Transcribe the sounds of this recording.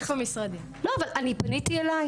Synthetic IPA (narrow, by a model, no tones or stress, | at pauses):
χomisʁad̪i | loavalʔanibanit̪ielaj